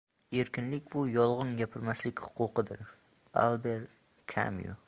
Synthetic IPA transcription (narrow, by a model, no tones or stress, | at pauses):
eɾkʲɪnlɪk̚ʲbʊjɒlˠʁɨnɡʲapʰɪɾmaslɪkʲhʊ̥qʊqɨd̪ɪɾ | a̰lˠbeɾ | kʰa̰mjṵ